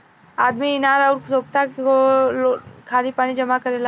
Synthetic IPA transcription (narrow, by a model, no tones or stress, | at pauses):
aːd̪miɪnaːɾaʊɾksoːk̚t̪akookʰaːlipaːnid͡ʒɐmakɐɾela